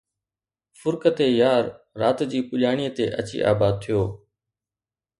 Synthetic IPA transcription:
fʊɾkət̪eːjaːɾːaːt̪d͡ʑiːpʊlaːɳ̃iːət̪eːʔət͡ɕḭːʔa̰ːbaːd̪̚t̪ʰɪjoː

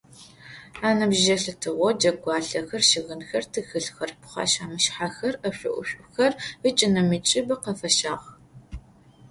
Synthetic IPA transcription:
aːnɐbʒɐɬɨtʰɨʁʷɔd͡ʒɐɡʷɑːɬɐxɐrʃɪɣɨnxɐrtʰɨxɨɬxɐrpʰχɑ̰ʃaːmɨʃħaxɐrɐɕʷʊʔʷʊ̰ɕʷʼʊxɐrət͡ʃʼɪnɐmɨt͡ʃʼɪbɐqɐfɐʃaːʁ

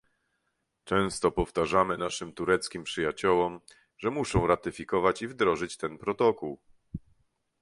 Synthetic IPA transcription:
t͡ʂɛ̃w̃st̪ɔpɔft̪aʐamɘnaʂɘmt̪uɾɛt̪skʲimpʂɘjat͡ɕɔwɔm | ʐɛmuʂɔ̃w̃ɾat̪ɘfʲikɔvat͡ɕivd̪ɾɔʐɘt͡ɕt̪ɛnpɾɔt̪ɔkuw

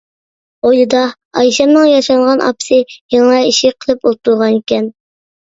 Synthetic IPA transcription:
ojlɨd̪ɑ | ɑjʃɑmnɨŋjɑʃɑŋʁɑnʔɑ̰pɨ̥sɨjeŋlˠɑjiʃiqʰəlˠɨpolˠt̪ulˠʁɑnikʲɛn

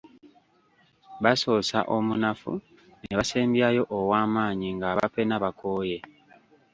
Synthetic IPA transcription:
βaso̞ːsa̰ʔo̞munafṵ | neβase̞ːmbjajo̞ʔːwaːmaːɲiŋɡaβa̰penaβako̞ːje̞

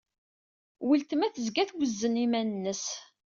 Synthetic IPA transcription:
wilt̪əmæθəzɡæθɡʷəzːənimænənːəs

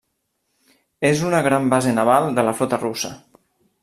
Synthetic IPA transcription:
ezunəɣɾambazenaβalˠd̪ələflɔt̪ərusə

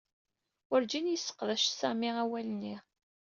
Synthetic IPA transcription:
əɾd͡ʒinjəsːə̥qðæʃsæmiʁæwælənːiʁ

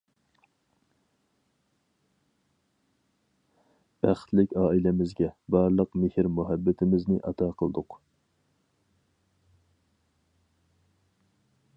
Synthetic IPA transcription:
b̥æχt̪lɪkʲɑːilɪmɪzɡʲɛbɑɾlˠəqmɪhɪɾmuɦɛbːɪt̪ʰɪmɪznɪʔɑt̪ʰɑːqʰəlˠd̪ʊq

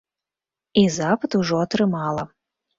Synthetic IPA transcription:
izapɐt̪uʐɔːt̪ɾɨmɑlˠɐ

